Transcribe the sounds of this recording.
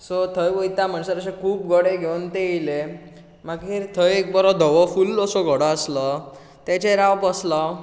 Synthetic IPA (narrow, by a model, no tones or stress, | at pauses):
sɔt̪ʰəjʋəjt̪am̤əɳsəɾəɕẽkʰuːp̚ɡʱɔɽeɡʱeunt̪eile | maɡɦiːɾt̪ʰəjek̚bɔɾɔd̪ʱɔʋɔfulːɔsɔɡʱəɽɔaslə | t̪et͡ɕeɾaʋpəslɔ